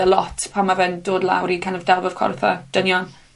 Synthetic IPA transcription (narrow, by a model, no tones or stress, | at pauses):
əlˠɔtʰpʰamavɛndoːdlˠa̰wɾinkʰanɔvdɛlˠvəv̥kʰɔ̰rθɔ̰d̥ənjɔn